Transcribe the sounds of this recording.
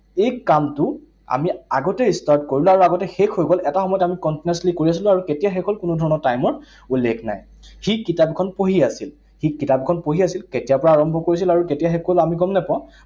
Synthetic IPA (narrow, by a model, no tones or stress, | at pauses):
ejkamtʊ | a̰mia̰ɡɔtɛistaɹtkoɹiluaɹuaɡɔtɛxekʰːojɡolɛtaxɔmɔjɔtamikɔntinɛslikoɹias̬ilʊ̃aɹuketijaxɛkʰɔlkʊnʊdʱɔɹɔnɔɹtajmɔɹ | ulːekʰna̰j | xikitapkʰɔnpoɦiasil | xikitapkʰɔnpoɦiasilketijapɔɹaːɹɔmbʱɔkoɹis̬ilaɹuketijaxɛkolamiɡɔmnɛpã